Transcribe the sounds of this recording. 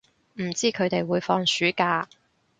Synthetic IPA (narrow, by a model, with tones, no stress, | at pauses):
m̩˨˩t͡siː˥kʰɵ˨˧ɥt̪e˨jwuː˨˧jfɔː˧ŋsyː˨˥kaː˧